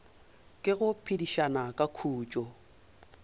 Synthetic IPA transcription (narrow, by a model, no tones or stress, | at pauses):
kʼɪɣʊpʰidiʃanakʼakʰuːt͡ʃʼɔ